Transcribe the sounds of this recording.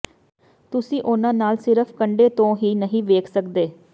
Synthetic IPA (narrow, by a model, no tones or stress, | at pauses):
t̪ʊsĩːʔʊnãːnaːlsɪɾəpʰkəɳɖeːt̪õːɦiːnəɦĩːʋeːkʰsəkd̪eː